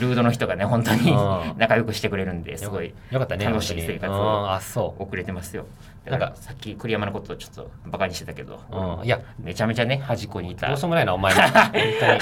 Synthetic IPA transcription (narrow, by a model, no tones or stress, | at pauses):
ɾɯ̟ːd̪o̞no̞çit̪o̞ɡane̞ɦõ̞nt̪o̞ɲ̟inakajo̞kɯ̟ɕi̥t̪e̞kɯɾe̞ɾɯ̟̃nd̪e̞sɨɡo̞i | jokat̪ːananoɕiːsseːkat͡sɨasoːokɯ̟ɾe̞t̪e̞masɨjo̞ | d̪aaɾkasakʲːikɯ̟ɾʲijamanokot̪ot͡ɕo̞̥t̪ːo̞̰ | bakaɲiɕit̪et̪ḁke̞d̪õ̞̰ame̞t͡ɕame̞t͡ɕane̞haʑiko̞ɲ̟iːt̪a̰oːsomonainaomaeõ